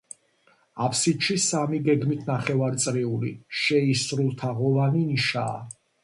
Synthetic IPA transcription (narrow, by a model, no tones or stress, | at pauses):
apʰsit̪ʃisamiɡɛɡmit̪ʰnaχɛvaɾt̪sʼɾɛuliʃɛisɾulˠt̪ʰaʁɔvaniniʃa̰ː